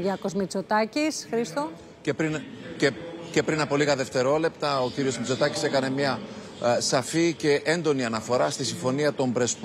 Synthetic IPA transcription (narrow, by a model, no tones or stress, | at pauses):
ʝɐkozmit͡sot̪ɐcisxɾist̪o | cepɾinece̞pɾinɐpo̞liɣɐðe̞ft̪e̞ɾo̞le̞pt̪ɐo̞ciɾio̞zmit͡so̞t̪ɐci̥se̞kɐne̞mɲɐ | sɐfice̞ʔend̪o̞niɐnɐfo̞ɾɐst̪isiɱfo̞niɐt̪o̞mbɾe̞sp